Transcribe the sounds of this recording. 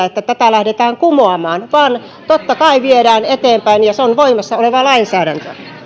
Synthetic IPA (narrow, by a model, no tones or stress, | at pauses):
et̪ːæt̪æt̪ælæhdet̪æːŋkumoɑmɑːnʋɑːn | t̪ot̪ːɑkɑiʋieɾæːnet̪eːmpæinjɑseonʋoimɑsːɑoleʋɑlɑinsæːɾænt̪ø̰